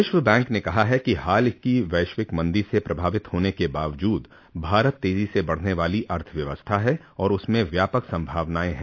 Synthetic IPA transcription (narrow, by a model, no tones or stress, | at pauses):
ɪʃʋəbɛ̃ːŋknekɐɦaɦɛkiɦaːlkiʋɐɪʃʋɪkmɐ̃nd̪iɾsepɾɐbʱaːʋɪt̪hoːnekebaːʋd͡ʒuːd̪ | bʱaːɾət̪ːeːzisebɐɽ̤neʋaːliʔɐɾt̪ʰəʋjɐʋəst̪ʰaɦɛ | ɔːɾʊsmẽʋjaːpəksɐ̃mbʱaːʋnaːẽɦɛ̃